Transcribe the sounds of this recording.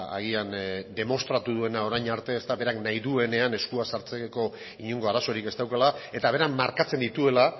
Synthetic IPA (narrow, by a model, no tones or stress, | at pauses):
a̰ɣiand̪e̞mo̞st̪ɾat̪uðue̞nao̞ɾajɲaɾt̪e̞ːst̪aβe̞ɾaknajðue̞ne̞ane̞skuasaɾt͡seko̞ | iɲuŋɡo̞aɾaso̞ɾike̞st̪awkalae̞t̪aβ̞e̞ɾammaɾkat͡se̞nd̪it̪ue̞la